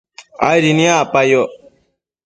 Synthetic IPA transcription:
a̰jɾinĩapajo

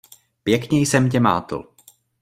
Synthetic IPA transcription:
pjɛkɲɛjsɛmcɛma̰ːt̪l

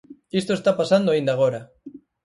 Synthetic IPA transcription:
ist̪oest̪apasand̪oaind̪aɣ̞oɾa

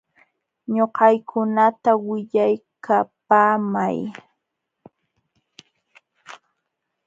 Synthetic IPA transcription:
ɲoqɑjkʰʊnat̪awɪʎajkʰapaːma̰j

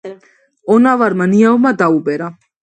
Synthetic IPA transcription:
ɔnavaɾmaniavumad̪aubɛɾa

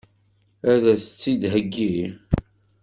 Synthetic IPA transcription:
æðæsət͡sːid̪ɦəɡːi

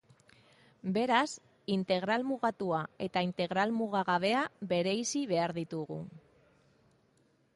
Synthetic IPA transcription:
be̞ɾas | int̪e̞ɣ̞ɾalmuɣat̪uae̞t̪aint̪e̞ɣ̞ɾalmuɣaɣaβ̞e̞aβe̞ɾe̞isiβe̞aɾðit̪uɣ̞ṵ

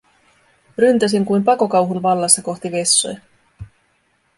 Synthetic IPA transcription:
rynt̪æs̬iŋkujmpɑko̞kɑwɦunʋɑlːɑsːɑko̞xt̪iʋe̞sːo̰j

